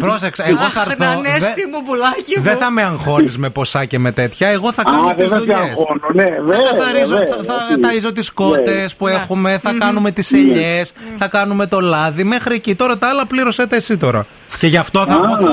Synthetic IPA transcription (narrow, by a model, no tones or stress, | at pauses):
pɾoseksɐeɣoθɐɾθoneðsimubulɐciðeθɐmeɐŋxo̞nizme̞po̞sɐce̞me̞t̪e̞t̪çɐeɣo̞θɐkɐoðizɐðuɐesononeveɐkɐθɐɾizoɐɐɐɐɾizo̞t̪isko̞t̪e̞spuexume̞θɐkɐnume̞t̪iseʎesθɐkɐnume̞t̪o̞lɐðime̞xɾiecit̪o̞ɾɐt̪ɐɐlɐpliɾo̞set̪eːsit̪o̞ɾɐ̰ | ce̞ʝɐft̪oθɐu